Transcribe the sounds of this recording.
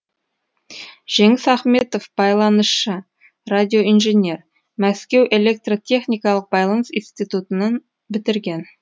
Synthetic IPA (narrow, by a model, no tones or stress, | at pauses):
ʒ̥e̞ŋɪsɑχmet̪o̞fb̥ɑjlˠɑnəsʃə | rad̪ʲio̞inʒenʲe̞r | mæskʲe̞wʔe̞le̞k̚t̪rot̪ʰʲe̞χnʲijkɑlˠəq̚bɑjlˠɑnəsinst̪ijt̪ut̪ənən | bɪt̪ɪɾɡʲe̞n